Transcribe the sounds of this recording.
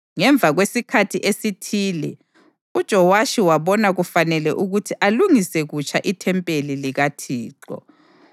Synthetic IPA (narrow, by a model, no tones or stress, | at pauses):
ŋɛɱb̪vʱaɣwesikʰatʰiʔesitʰiːlɛ | ud̥ʒ̥ʱɔwaʃiwaβɔnaɣufanɛlɛʔuɣutʰiʔaluŋisɛɣut͡ʃʰʼaʔitʰɛmpʼeliliɣatʰiːǃɔ̰